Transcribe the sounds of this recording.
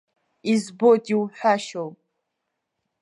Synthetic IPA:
izbodiwħʷᶣaʃow

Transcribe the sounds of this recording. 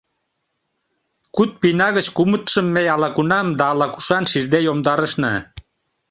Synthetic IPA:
kut̪̚pinɑɣə̆t͡ɕkumət̪ʃə̆mːejɑlɑkunɑmd̪ɑːlɑku̥ʃɑnʃird̪ejomd̪ɑɾəʃnə̰

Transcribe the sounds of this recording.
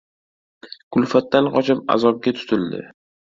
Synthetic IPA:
kʰʊlfat̪ːanχɒt͡ʃʰapa̰zɒb̚ɡʲat̪ʰʊ̥t̪ʰɪld̪ɪ̰

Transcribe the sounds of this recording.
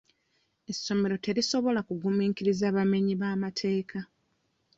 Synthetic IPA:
e̞sːo̞me̞ɾo̞te̞ɾiso̞βo̞lakuɡumiːkiɾizaːβame̞ɲiβaːmatʰe̞ːkʰa

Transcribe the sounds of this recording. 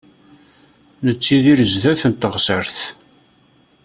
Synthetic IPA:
nət͡sːiðiɾəzðæθənt̪əʁsəɾθ

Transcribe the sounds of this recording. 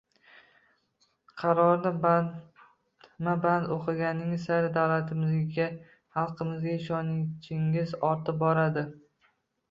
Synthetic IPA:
qʰɑɾɒɾnɪ | maband̪oqʰɨɡʲanɪŋsaɾɪd̪awlat̪ʰɪmɪzɡʲa | hɑlˠqʰɨmɪzɡʲaɪʃɒnɪʃɪŋɪzɒɾt̪ʰɪp̚bɒɾad̪ɪ

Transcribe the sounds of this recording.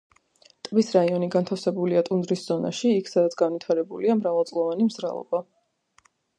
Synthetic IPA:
t̪ʼbisɾaiɔniɡant̪ʰafsɛbuliat̪ʼund̪ɾisz̥ɔna̰ʃiːkʰsad̪at̪sʰɡanvit̪ʰaɾɛbuliamɾavalˠt̪sʼlˠɔvanimzɾa̰lˠɔ̰ba

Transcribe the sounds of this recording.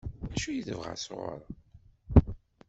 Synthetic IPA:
ʃujiðəvʁa̰sʁə̰ɾˤ

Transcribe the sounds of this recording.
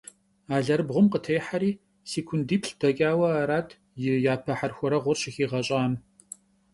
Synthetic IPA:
aːɮɐɾbʁʷʊmqətʰɐjħaɾiː | siːkʷʰʊndiːpʰɬd̥ɐkʲʼaːwɐaːɾaːtʰ | jɪjaːpʰɐħarxʷɔɾɐʁʷʊrɕɪxiːʁɐɕʼaːm

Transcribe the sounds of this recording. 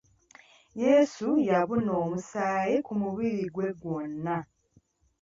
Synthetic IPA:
je̞ːsujaβuno̞ːmusaːjekumuβiɾiɡwe̞ɡwo̞nːa

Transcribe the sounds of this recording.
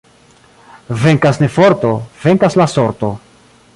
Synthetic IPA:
ve̞ŋkasnefo̞ɾt̪o̞ve̞ŋkaslaso̞ɾt̪o̞

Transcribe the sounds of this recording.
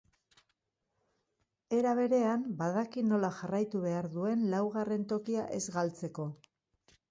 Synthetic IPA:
e̞ɾaβe̞ɾe̞ambaðakino̞laʝarajt̪uβ̞e̞aɾðue̞nlawɣare̞nt̪o̞kiaʔe̞zɣalt͡se̞ko̞

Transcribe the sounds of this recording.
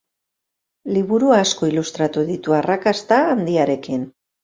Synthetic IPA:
liβuɾuaːsko̞ilust̪ɾat̪uðit̪uarakast̪aːnd̪iaɾe̞kin

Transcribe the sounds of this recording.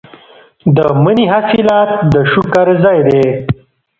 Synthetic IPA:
d̪əməniɦasilaːt̪̚d̪əʃukaɾzajd̪eː

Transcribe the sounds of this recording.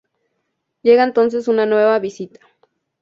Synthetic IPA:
jeɣaent̪ons̬esunanweβaβisit̪ḁ

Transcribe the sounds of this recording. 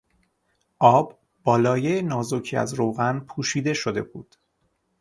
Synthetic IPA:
ʔɒːbː | ɒːlɒːjejenɒːzocʰiæ̰zɾoːɣænpʰuːʃiːd̪e̞ʃo̞d̪e̞̰bṵːd̪̥

